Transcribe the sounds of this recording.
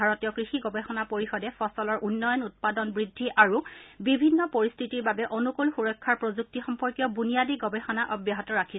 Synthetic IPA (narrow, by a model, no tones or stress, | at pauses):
aɹɔtijɔkɹixiɡɔbɛxɔnapoɹixɔdɛfɔsɔlɔɹʔunːɔjɔnut̚padɔnbɹidʱːiʔaɹubibʱinːɔpoɹist̪ʰitiɹbabɛʔonukulxuɹɔjkʰːaɹpɹozuk̚tixɔmpɔɹkjɔbunijadiɡɔbɛxɔnaʔɔbjaɦɔtɔɹakʰi